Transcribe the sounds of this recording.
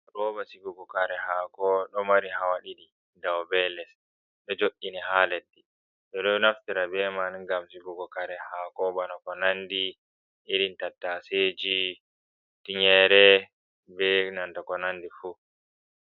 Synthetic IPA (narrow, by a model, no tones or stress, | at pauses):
ɾɔːbasiɡuɡɔkaɾɛhaːkɔɗɔmaɾihawaɗiɗi | dawbɛlɛs | ɗɔd͡ʒoɗːinihalɛdːi | tɔɗɔnaftiɾabɛmanɡamsiɡuɡɔkaɾɛhaːkɔbanakɔnandi | ʔiɾintatːaseːd͡ʒi | tiɲɛɾɛ | bɛnantakɔnandifu